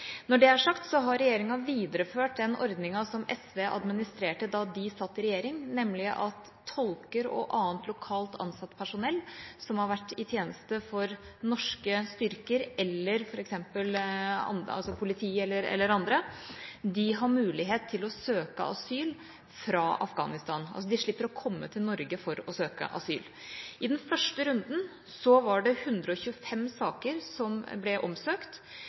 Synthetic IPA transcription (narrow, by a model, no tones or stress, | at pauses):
nɔɖɛæʂɑkt̪sɔɦɑɾɾɛjeːɾɪŋɑʋiːd̪əɾəføːʈ̚d̪ɛnɔɾd̪nɪŋɑsɔmɛsʋeːʔɑ̰d̪mɪnɪst̪ɾeːʈəd̪ɑd̪ɪsɑt̪ːɪɾɛjeːɾɪŋnɛmːlɪʔɑt̪ʰːɔlkəɾɔ̰ʔɑːənt̪lʊkʰɑːlt̪ʰɑ̰nsɑt̪ːpʰæʂʊnɛlːsɔmhɑɾʋæʈːɪt̪ʰjeːnəst̪əfɔɾnɔʂkəst̪ʏɾkəɾɛlːəɾfɔɾɛksɛmpəlɑ̰nɑ̰lsɔpʰʊlɪt̪ʰiːɛlːəɾɛ̰lːəɾɑnd̪ɾəd̪ɪɦɑɾmʉːlɪɦeːt̪ʰːɪlɔsøːkə̰ʔɑ̰syːl | fɾɑːʔɑ̰fɡɑ̰ːnɪst̪ɑːnɑ̰lsɔd̪ɪʂɭɪpːəɾɔkʰɔmːət̪ʰɪlnɔɾɡəfɔɾɔsøːkə̰ʔɑ̰sy̰ːl | ʔɪd̪ɛnfœʂʈəɾʉnd̪n̩ | sɔʋɑɖɛhʉnd̪ɾəɔçʉːəfɛmːsɑːkəɾsɔmblɛʔɔmsøːkt̪